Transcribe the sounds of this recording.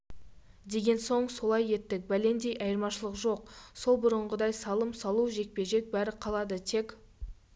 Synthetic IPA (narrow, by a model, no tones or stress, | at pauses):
d̪e̞ɡʲe̞nso̞ɴso̞lˠɑje̞t̪ːɪk̚bæle̞nd̪e̞jʔɑjəɾmɑʃəlˠəqʒo̞q̚so̞lˠbʊɾəɴʁəd̪ɑjsɑlˠəmsɑlˠuʒe̞k̚pe̞ʒe̞k̚bæɾɪqʰɑlˠɑd̪ət̪ʰe̞k